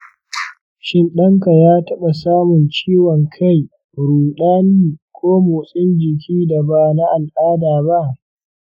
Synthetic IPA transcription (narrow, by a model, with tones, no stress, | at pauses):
ʃɪ˦nɗɐ˦ŋka˨jaː˦tɐ˦ɓa˨saː˦mʊ˨nt͡ʃiː˦wɔ˨ŋkʰa˦j | ɽuː˨ɗaː˦niː˦kʷoː˦moː˨sʼɪ˦nd͡ʒɪ˨k̬ʲiː˦da˨ba˦˨na˦ʔa˨lʔaː˦daː˨ba˦ʔ